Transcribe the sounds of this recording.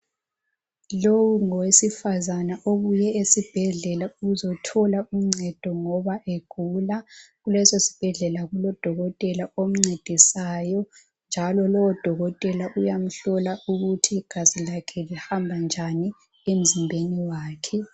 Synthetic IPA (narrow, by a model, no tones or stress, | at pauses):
lowuŋɔwesifazanaʔoβujɛesib̥ʱɛɮɛlauuzɔtʰɔlaum̩ŋ͡ǀɛd̥ʱɔŋɔβaʔeɡ̥ʱulaɣulɛsosi̥b̥ʱɛɮɛlaɣulɔd̥ʱɔɣɔtʼɛlaom̩ŋ͡ǀed̥ʱisajɔ | nd͡ʒʱalɔlɔwɔd̥ʱɔɣɔtʼɛlaʔujam̩ɬɔlauɣutʰiɡ̥ʱazilakʰɛlɛhambʱand͡ʒʱani | em̩zimbʱeniwaːkʰɛ